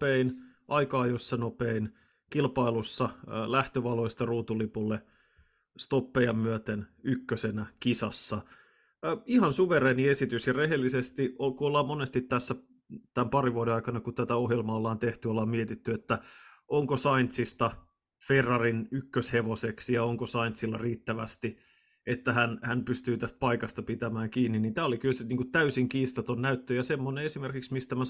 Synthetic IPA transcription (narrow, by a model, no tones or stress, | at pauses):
einʔɑikɑːjosːɑnopein | kilpɑilusːɑlæht̪øʋɑlojst̪ɑruːt̪ulipulːe | st̪opːejɑmmyøt̪enykːøsenækisɑsːɑ | ihɑnsuʋerˑeːniesit̪ysjɑreɦelːisest̪iokuolːɑːmonest̪it̪ːæsːæ | t̪æmpɑriʋuodeɑikɑnɑkut̪æt̪æoɦjelmɑolːɑːnt̪eht̪yolːɑːmmiet̪it̪ːyet̪ːæ | ʔoŋkosɑint̪sist̪ɑ | ferːɑrinykːøsheʋoseksjɑoŋkosɑint̪silːɑriːt̪ːæʋæst̪i | et̪ːæhænhænpyst̪yːt̪æst̪̚pɑikɑst̪ɑpit̪æmæːŋkiːnːinniːnt̪æːolikylseniːŋkut̪t̪æysiŋkiːst̪ɑt̪onnæyt̪ːøjɑsemːoneesimerkiksmist̪æmæ